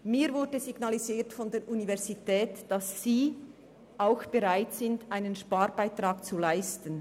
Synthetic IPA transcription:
miːvʊɾdəziɡnɑliziːtfɔndeːɾʔunivɛɐzitɛːtd̥ɑsːiː | ʔaʊxb̥eʁaɪtsɪndʔaɪnənʃpaːɾbaɪtraːk̚t͡sulaɪstən̩

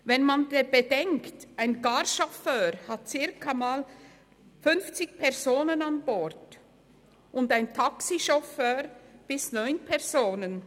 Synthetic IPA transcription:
vɛnmandeb̥edɛŋktaɪnɡaɾʃɔføːhɑt̚t͡sɪɐkʰamaːl | fʏnft͡sɪçpʰɛɐzoːnənɑnbɔʁt | ʔʊndaɪntʰɑksiʃɔføːʁb̥ɪsnɔʏnpʰɛʁz̥oːnən

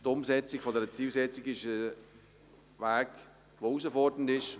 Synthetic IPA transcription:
tʊmsɛt͡sɪkfodɛɾət͡siːlsɛt͡sɪɡɪʃə | vaːk | ʋouːsəfɔrdən̩tɪʃ

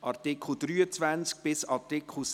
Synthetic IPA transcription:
ʔɑɾtɪkʰl̩d̥̪ɾyːət͡svænt͡sk̚b̥ɪsɑɾtɪkχl̩s

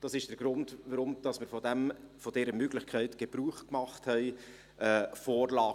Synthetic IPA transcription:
d̥ɑsɪʃd̥əɾɡ̥ɾʊndvəɾʊmd̥ɑsmɪɾfɔdɛmfod̥ɛːɾəmøɡlɪçkʰɛɪtɡ̥eb̥ɾuːχkmɑχthɛɪ | ʔɛːfoːɾlɑː

